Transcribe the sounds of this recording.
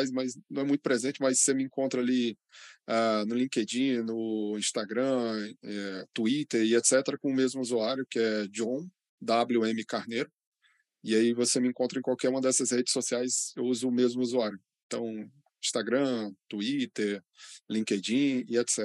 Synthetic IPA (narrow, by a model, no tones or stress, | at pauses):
jzmɐznɐ̃w̃ɛmũt̪ʊpɾezẽnt͡ʃɪmɐsːemɪĩkõnt̪ɾɐali | anʊlĩked͡ʒĩnʊĩst̪aɡɾɐ̃ɛt̪uit̪eɾiet̪sɛt̪eɾɐkõʊmezmʊuzuaɾjʊkɪɛd͡ʒõw̃ | d̪abluẽmɪkaɾneɾʊ | ɪaivosemɪẽkõnt̪ɾɐẽkwawkɛɾũmɐd̪ɛsɐshed͡ʒɪ̥sːosiajsewuzʊːmezmʊuzuaɾjʊẽt̪ɐ̃w̃ | ĩst̪aɡɾɐ̃t̪uit̪eɾ | lĩked͡ʒĩiet̪sɛ